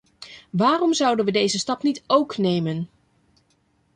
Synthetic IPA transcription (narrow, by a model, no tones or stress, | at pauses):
ʋaːrɔmzʌwdənʋədejzəstɑpnitowknejmən